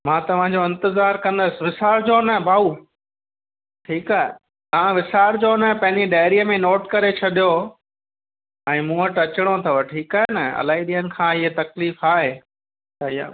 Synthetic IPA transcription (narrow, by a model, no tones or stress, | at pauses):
mãːt̪ɐʋ̤ãɲd͡ʑoɪ̃nt̪ɪzaːɾkɐ̃nd̪əsɪ̆ʋɪsaːɾd͡ʑoːnɐbʱaːuː | ʈʰiːkaːɦɪ̰ | ɐãʋɪsaːɾd͡ʑoːnɐpɐ̃ɦɪ̃ɲd͡ʑiɖaːɪɾiəmẽnoːʈkɐɾet͡ɕʰɐɗijo | ɛ̃ːmũːəʈɐt͡ɕɪɽ̃ot̪ʰɐʋəʈʰiːkaːɦɪnɐɐ̰laːiɗiːənɪ̆kʰãːɪɦet̪ɐkliːfaːɦe | aːia̰ː